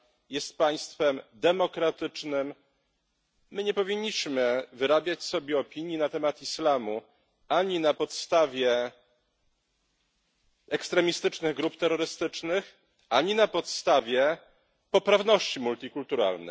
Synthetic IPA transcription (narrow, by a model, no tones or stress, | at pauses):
jɛst̪̚paj̃st̪fɛmd̪ɛmɔkɾat̪ɘt͡ʂnɘm | ɘɲɛpɔvʲiɲːiɕmɘvɘɾabʲjat͡ɕsɔbʲjɛɔpʲiɲjinat̪ɛmat̪islamu | aɲinapɔt̪st̪avʲjɛ | ɛkst̪ɾɛmʲist̪ɘt͡ʂnɘɣɡɾupt̪ɛɾːɔɾɘst̪ɘt͡ʂnɘx | ʔaɲinapɔt̪st̪avʲjɛ | pɔpɾavnɔɕt͡ɕimult̪ʲikult̪uɾa̰lnɛ̰